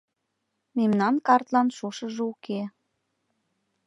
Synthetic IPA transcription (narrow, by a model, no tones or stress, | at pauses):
memnɑnkɑrt̪lɑnʃuʃə̆ʒeuke